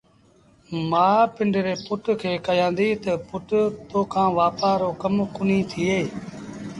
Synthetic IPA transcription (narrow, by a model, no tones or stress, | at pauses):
maːpɪɳɖɾeːpʊʈkʰeːkəjãːnd̪iːt̪əpʊʈt̪oːkʰãːʋaːpaːɾoːkəmkʊnĩːt̪ʰiːeː